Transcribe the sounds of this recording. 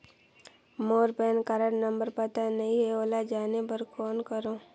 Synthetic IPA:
moːɾpɛːnkaɾəɽnə̃mbəɾpət̪anɐɦĩɦɛoːlad͡ʒaːnepəɾkoːnkəɾõː

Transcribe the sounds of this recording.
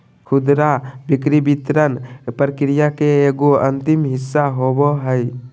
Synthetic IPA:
kʰud̪ɾabikɾibit̪ɾənpɾəkɾijakeːɡoənt̪imɦɪsːaɦoboɦəj

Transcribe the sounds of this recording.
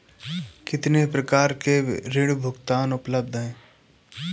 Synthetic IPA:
kɪt̪nepɾəkaːɾkeɾɪɽbʱʊkt̪aːnʊpləb̚d̪ʱɦɛ̃ː

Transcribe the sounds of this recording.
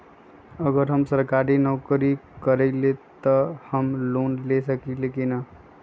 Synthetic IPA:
əɡəɾɦəmsəɾkaɾinɔkɾikəɾɛɪlet̪əhəmlonlesəkilekinə

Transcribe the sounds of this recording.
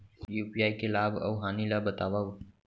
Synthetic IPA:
juːpiaːikelaːbɐ̰wɦaːnilaːbət̪aːʋau

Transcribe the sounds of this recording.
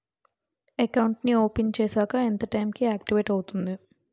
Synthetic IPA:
ekɐwɳʈnio̞ːpent͡ʃe̞ːsaːkɐent̪ɐʈɐjmkiaːk̚ʈiʋeʈɐwut̪und̪i

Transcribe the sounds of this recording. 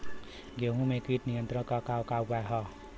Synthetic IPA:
ɡeɦũmekiʈnijʌnt̪ɾʌ̃kakawkawbaɦʌ

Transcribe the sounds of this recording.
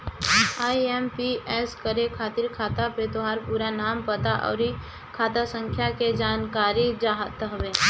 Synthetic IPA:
aːiɛmpiɛːskəɾekʰaːt̪ɪɾkʰaːt̪apet̪oɦaːɾpuːɾanaːmpət̪aʔɔ̰ːɾi | kʰaːt̪asə̃ŋkʰjaked͡ʒaːnkaːɾid͡ʒaːɦt̪ɦɐʋeː

